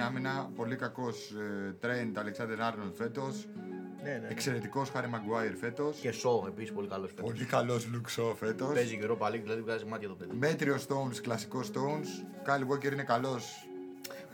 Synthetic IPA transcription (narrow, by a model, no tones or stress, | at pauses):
ɐminɐpo̞likɐko̞st̪ɾent̪ɐleksɐnd̪ɾenɐɾnɐlfe̞t̪o̞s | neneekse̞ɾe̞t̪iko̞sxɐɾimɐɡuɐjɾfe̞t̪o̞scesoepisispo̞likɐlosfepo̞likɐlo̞zluksofe̞t̪o̞speziʝuɾopɐliðilɐðiukɐzimɐt̪çɐt̪opeðime̞t̪ɾio̞st̪o̞unsklɐsi̥ko̞st̪o̞unskɐliwoce̞ɾinekɐlo̞s